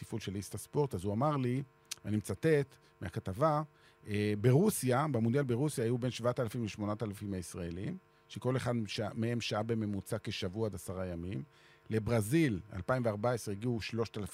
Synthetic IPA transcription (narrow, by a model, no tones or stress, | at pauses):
tifulʃe̞list̪aspo̞ʁt̪azuamaʁli | animt͡sat̪e̞t̪ | meakat̪ava | ebe̞ʁusjabemodjalbeʁusjaːajube̞nʃvaat̪alafimleʃmo̞nat̪alafimaisʁaelim | ʃeko̞le̞χad̪ʃamee̞mʃaabeme̞mut͡sake̞ʃavuaad̪asaʁajamim | le̞bʁazila̰lpaimveaʁbaesʁeiɡiuʃlo̞ʃt̪alaf